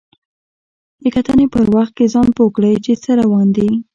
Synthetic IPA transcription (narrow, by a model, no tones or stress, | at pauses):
d̪əkat̪anepəɾwaxt̪̚kezɑnpokɽəjt͡ʃet͡səɾawɑnd̪i